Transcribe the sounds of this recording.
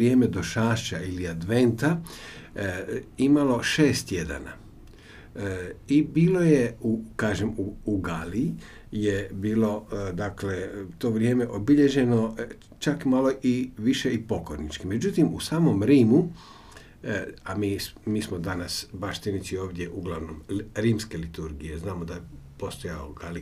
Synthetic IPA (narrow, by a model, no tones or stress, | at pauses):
ɾje̞ːmed̪o̞ʃaːʃt͡ʃailiad̪ʋe̞nt̪a | imalo̞ʃeːst̪je̞d̪a̰na̰ | ibiːlo̞je̞ukaːʒemuːɡali | jebiːlo̞d̪akle̞t̪o̞ːʋɾje̞ːme̞ʔobiʎe̞ʒe̞no̞ | t͡ʃakmalo̞ʔiʋiʃeipo̞koɾnit͡ʃkimed͡ʒut̪imusaːmo̞mɾiːmu | amiːmiːsmod̪anasbaʃt̪init͡ʃ̪io̞ːʋd̪ʲje̞ʔuɡlˠaʋno̞mɾiːmske̞lit̪uɾɡije̞znaːmod̪aje | po̞st̪o̞ja̰lo̰ɡali